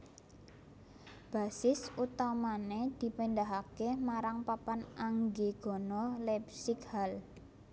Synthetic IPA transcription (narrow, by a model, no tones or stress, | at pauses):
b̥a̤sɪsut̪amaned̪̥i̤pənd̪aɦakemaɾaŋpapanʔaŋɡeɡ̥ɔ̤nɔlɛpsɪkhal